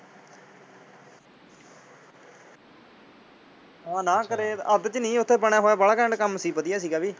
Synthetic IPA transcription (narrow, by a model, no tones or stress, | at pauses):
ɦãːnãːkəɾeːəd̪t͡ʃənĩːʊt̪ʰːeːbəɳ̃aːɦoːaːbəɽaːkɛ̃ːɳɖkəmsiːbət̪ijaːs̬iːɡaːbiː